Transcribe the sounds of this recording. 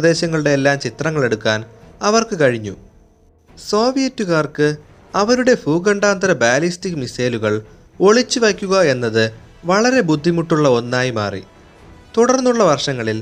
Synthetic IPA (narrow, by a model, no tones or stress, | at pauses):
ðe̞ːɕɐŋːɐɭuɽe̞ːlːaːmt͡ɕit̪rɐŋːɐɭe̞ɽukːaːnɐʋɐrkɨkɐɻiɲːṵ | so̞ːʋijɐtːuɣaːrkɨ | ɐʋɐɾuɽe̞fuːɡɐɳɖaːnd̪ɐɾɐbaːlistikmiseːluɣɐɭ | o̞ɭit͡ɕːuʋɐkʲːuɣɐe̞nːɐðɨ | ʋɐɭɐɾe̞bud̪ʱːimuʈːuɭːɐo̞nːaːjima̰ːrḭ | t̪uɽɐrnːuɭːɐʋɐrʂɐŋːɐɭil